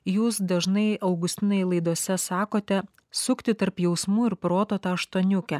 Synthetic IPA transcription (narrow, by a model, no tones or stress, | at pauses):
juːsd̪ɐʒnɐɪɐʊɡʊsʲt̪ʲɪnoːjɛlˠɐɪd̪uɔsʲɛsɑːkoːt̪ʲɛ | sʊkʲt̪ʲɪt̪ɐɾpjɛʊsmuːɪɾpɾoːt̪oːt̪ɑːɐʃt̪oːnʲʊkʲɛ